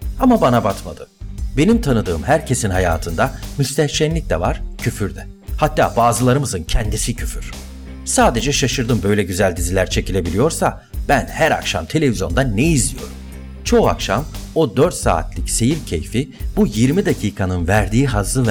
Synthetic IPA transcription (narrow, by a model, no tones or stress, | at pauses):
amabanabat̪ma̰d̪ɯ̰be̞nimt̪ʰanɯd̪ɯːmhæɾcʰe̞sinɦaja̰ːt̪ʰɯnd̪amyst̪ʰɛt͡ʃænlʲic̚d̪ɛvaɾ̥cʰyfyɾd̪ɛ | hat̪ːa̰ːbaːzɯlˠaɾɯmɯzɯncʰɛnd̪isicʰyfyɾ̥ | saːd̪e̞d͡ʒɛʃaʃɯɾd̪ɯmbø̞jlʲɛɟyzælʲd̪izilʲæɾt͡ʃʰe̞cʰilʲe̞bilʲijo̞ɾsa | b̥ænhæɾa̰kʃa̰mt̪ʰe̞lʲe̞vizjo̞nd̪anːejizlʲijo̞̰ɾum | t͡ʃʰo̞a̰kʃa̰mo̞d̪øɾt̪sa̰ːt̪ʰlʲicse̞jiɾcʰe̞̰jfib̥ujiɾmid̪acʰiːkʰanɯnvæɾd̪iːɦazlˠɯv